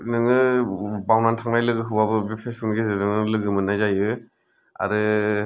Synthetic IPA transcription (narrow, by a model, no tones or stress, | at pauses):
nɯŋɯbawnantʰaŋnajlɯɡɯɦɯbabɯbepʰesʰɯnɡezɯnɯŋɯlɯɡɯmɯnajzajɯ | a̰ɾɯ